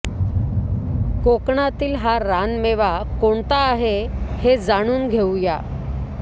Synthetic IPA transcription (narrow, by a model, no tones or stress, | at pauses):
kokɳat̪iːlɦaɾanmeʋakoɳt̪aːɦehed͡zaɽ̃uːnɡʱewja